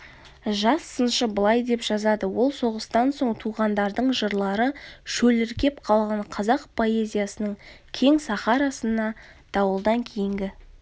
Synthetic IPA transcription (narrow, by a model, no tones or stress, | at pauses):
ʒɑsːənʃəbəlˠɑjd̪e̞pʒ̥ɑzɑd̪əwo̞lˠso̞ʁəst̪ɑnso̞ɴt̪ʰuʁɑnd̪ɑɾd̪əɴʒəɾlˠɑɾəʃɵlɪɾkʲe̞p̚qʰɑlˠʁɑɴqʰɑzɑqpʰo̞e̞zʲijasənəɴ | kʲʰe̞ŋsɑχɑɾɑsənɑ | d̪̥ɑwəlˠd̪ɑŋkʲʰejɪŋɡʲɪ